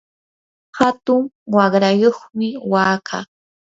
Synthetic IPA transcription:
hat̪ʊŋwɑɢɾajoχmɪwaːkʰaː

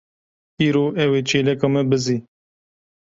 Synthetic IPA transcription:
iːɾoːʔɛweːt͡ʃʰeːlɛkɑmɛbɨziː

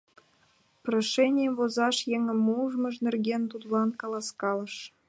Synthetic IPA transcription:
proʃenʲijəmvozɑʃjeŋə̆muʒmɤ̆ʃnerɡʲent̪ud̪lɑnkɑlˠɑskɑlɤ̆ʃ

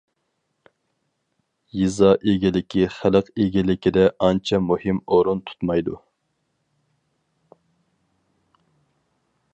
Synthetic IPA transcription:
jizɑʔeɡʲilɪkʲʰiχæləqeɡʲilɪkʲid̪ɛʔɑnt͡ʃʰɛmuhimoɾunt̪ʰu̥t̪mɑjd̪u

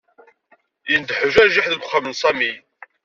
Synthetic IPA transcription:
jənd̪ħəʒæɾʒiħðəɡχəmənsˤɑmi

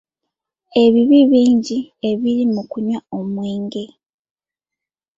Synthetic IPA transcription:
e̞βiβiβiːɲɟie̞βiɾimukuɲwao̞mwiːŋɡe̞

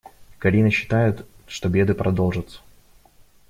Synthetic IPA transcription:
kɐlʲinəɕːɪ̥t̪ajɪt̪ | ʂt̪obʲe̞d̪ɨpɾʔɐd̪olˠʐət̪sə̥

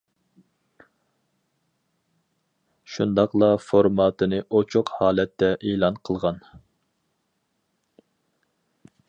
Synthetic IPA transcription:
ʃund̪ɑqlˠɑfoɾmɑːt̪ʰɨnɨʔot͡ʃʰoqhɑːlɛt̪ʰːɛʔeːlˠɑnqʰəlˠʁɑn

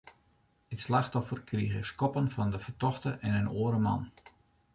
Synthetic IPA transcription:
itslaxtɔfərkʰriɣəskɔpənfɔndəfərtɔxtəʔɛnənoəɾəmɑ̰n

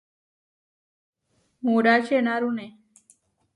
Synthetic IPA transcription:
moɽat͡ʃenaɾũne

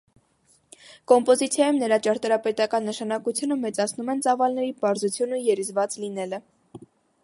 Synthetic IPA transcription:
kɔmpɔzit͡sʰjɑjumnəɾɑt͡ʃɑɾt̪ɑɾɑpɛt̪ɑkɑnːəʃɑnɑkut͡sʰjunəmɛt͡sɑt͡sʰnumɛnt͡sɑvɑlnɛɾipɑɾzut͡sʰjunujɛɾizvɑt͡slinɛlə

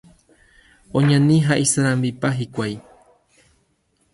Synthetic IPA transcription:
õɲãnĩɦaʔisaɾãmbipaɦikʷaj

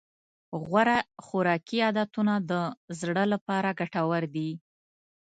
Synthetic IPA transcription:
ɣwaɾaxʊɾɑkiɑd̪at̪unad̪əzɽəlapɑɾaɡaʈawaɾd̪i

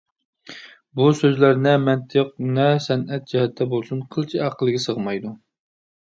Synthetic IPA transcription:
busøzlæɾnɛmɛnt̪ʰəq̚nɛsɛnʔɛt̪̚d͡ʒɛhɛt̪ʰːɛbolˠsunqʰəlˠt͡ʃʰiɑqʰəlˠɨɡʲɛsəʁmɑjd̪u

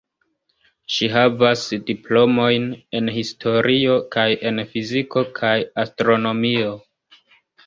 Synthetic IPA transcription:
ʃiɦavasdiplo̞mo̞jne̞nhistʰo̞ɾʔio̞kaje̞nfiziko̞kʰajastɾo̞no̞mio̞

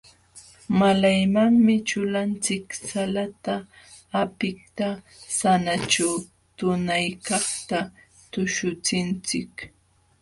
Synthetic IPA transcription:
malajmaŋmɪt͡ʃʊlant͡sɪksalat̪aː | pɪk̚t̪a | sanat͡ʃaw | t̪ʊnajkɑχt̪a | t̪ʊʃʊt͡sɪnt͡sɪk

